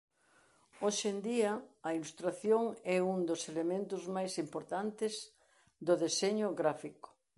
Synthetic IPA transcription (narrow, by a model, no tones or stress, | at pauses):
oʃend̪iɐɐilust̪ɾaθjoŋɛund̪oselemẽnt̪ʊzmajsimpoɾt̪ant̪ɪz | d̪ʊðeseɲʊɣɾafikʊ̥